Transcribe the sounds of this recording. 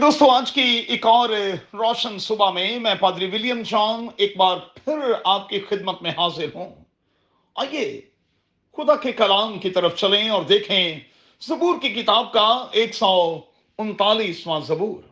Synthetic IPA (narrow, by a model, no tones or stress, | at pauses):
d̪oːst̪õaːd͡ʒkiɪkɔːɾɾɔːʃənsʊbamẽmɛ̃ːpaːd̪ɾiʋɪljəmd͡ʒãːmeːk̚baːɾpʰɪɾaːp̚kixɪd̪mət̪mẽɦaːzɪɾɦũː | a̰ːjeː | xʊd̪akekɐlaːmkit̪ɐɾəft͡ʃɐlẽɔːɾd̪eːkʰẽ | zɐbuːɾkik̬ɪt̪aːb̚kaeːksɔː | ʊnt̪aːliːsʋãzɐbuːɾ